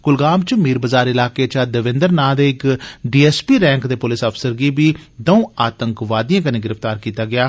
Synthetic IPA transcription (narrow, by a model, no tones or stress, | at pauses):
kʊlɡaːmt͡ʃmiːɾbəzaːɾɪlaːkeːt͡ʃaːd̪əʋɪ̃nd̪əɾnaːd̪eːɪkɖiːɛːspiːɾɛ̃ːŋkd̪eːpʊlɪsəpʰsəɾɡiːbiːd̪əũːaːt̪əŋkʋaːd̪ijãːkəneːɡɪɾəfʰt̪aːɾkiːt̪aːɡɪaː